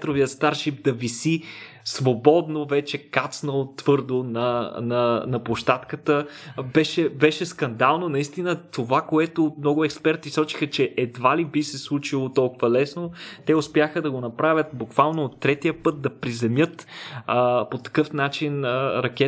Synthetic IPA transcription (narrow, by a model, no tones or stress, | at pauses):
t̪ɾoviət̪st̪aɾʃip̚d̪ɐvisi | svobɔd̪novɛt͡ʃɛkat̪snəlˠot̪vɤɾd̪onɐnɐnɐplˠoʃt̪at̪kət̪əbɛʃɛbɛʃɛskɐnd̪alˠnonɐist̪inət̪ovakoɛt̪omnɔɡʊɛkspɛɾt̪isɔt͡ʃi̥xət͡ʃɛʔɛd̪valibisɛslˠut͡ʃilˠot̪ɔlˠkʊvɐlɛsnot̪ɛʊspjaxəd̪ɐɡonɐpɾavʲət̪̚bukvalˠnoːt̪ːɾɛt̪ijəpɤt̪̚d̪ɐpɾizɛmjɤt̪əpot̪ɐ̥kɤfnat͡ʃinəɾɐk̟ʲɛ